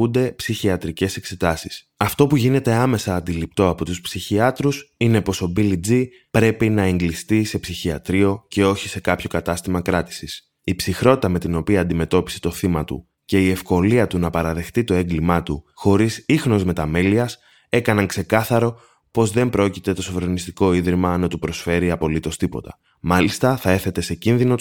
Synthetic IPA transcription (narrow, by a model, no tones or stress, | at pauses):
und̪e̞psiçiɐt̪ɾice̞se̞kse̞t̪ɐsis | ɐft̪o̞puʝine̞t̪e̞ɐme̞sɐːnd̪ilip̚t̪o̞ɐpo̞t̪uspsiçiɐt̪ɾusine̞po̞so̞bilid͡zi | pɾe̞pinɐe̞ŋɡlist̪ise̞psiçiɐ̰t̪ɾio̞ce̞o̞çi̥se̞kɐpço̞kɐt̪ɐst̪imɐkɾɐt̪i̥sis | ipsixɾo̞t̪i̥t̪ɐme̞t̪ino̞piɐːnd̪ime̞t̪o̞pi̥se̥t̪o̞θimɐt̪ṵ | ce̞ie̞fko̞liɐt̪unɐpɐɾɐðe̞xt̪it̪o̞e̞ŋɡlimɐt̪uxo̞ɾisixno̞zme̞t̪ɐmeliɐs | e̞kɐnɐŋkse̞kɐθɐɾo̞ | po̞zðe̞mbɾo̞cit̪e̞t̪o̞sovɾenist̪iko̞iðɾimɐnɐt̪upɾo̞sfe̞ɾiɐpo̞lit̪o̞st̪ipo̞̰t̪ɐ̥ | mɐlist̪ɐθɐe̞ɾθe̞t̪e̞se̞cinðino̞